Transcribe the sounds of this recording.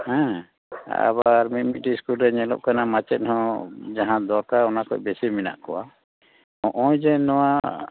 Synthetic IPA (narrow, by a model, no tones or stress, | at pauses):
hɛ̃ | a̰baɾmit̪̚ˀmiʈiskulɾɛɲɛlɔ̰ʔ̚kanamat͡ʃɛt̪̚ˀhɔ̃d͡ʒaɦãd̪ɔɾkaɔnakɔ̰cbɛsimina̰ʔkɔwa | ɔ̃ʔɔ̃jd͡ʒɛnɔwa